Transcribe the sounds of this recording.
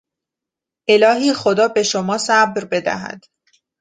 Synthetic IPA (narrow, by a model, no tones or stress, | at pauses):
ʔe̞lɒːɦiːxo̞d̪ɒːbe̞ʃo̞mɒːsæbɾbe̞d̪æ̰ɦæ̰d̪̥